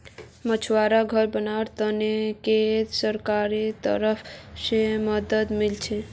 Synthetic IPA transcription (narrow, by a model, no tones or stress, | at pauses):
mət͡ʃʰwaɾaɡʱəɾbənaɾt̪əneket̪səɾkaɾit̪ə̰ɾəpʰseməd̪əd̪milt͡ʃʰe